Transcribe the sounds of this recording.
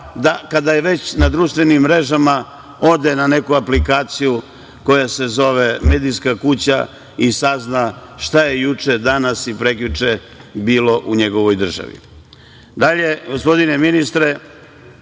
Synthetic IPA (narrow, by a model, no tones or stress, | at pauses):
d̪akad̪ajeʋe̞t͡ɕnad̪ɾuːʃt̪ʋe̞nimːɾe̞ʒama | o̞d̪e̞nane̞kuaplikaːt̪siju | ko̞jase̞zo̞ʋe̞me̞ːd̪ijskakut͡ɕa̰ | isaznaʃt̪aje̞jut͡ʂe̞d̪anasipɾe̞klut͡ʂe | biːlo̞ʔuɲe̞ɡo̞ʋojd̪r̩ʒa̰ʋḭ | d̪aʎeɡo̞spo̞d̪ine̞minist̪ɾe